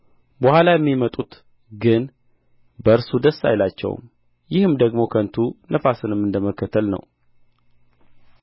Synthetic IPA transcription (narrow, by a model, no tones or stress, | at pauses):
bəhalajɛmːimət̪ʼut̪ | ɡɨn | bəɨɾsud̪əsːa̰jlat͡ʃːɛ̰w̰m | jɪhɨmd̪əɡmo̞kʰənt̪ʰunʔəfasɨnɨmːɨnd̪əməkːət̪ʰːəlnə̰w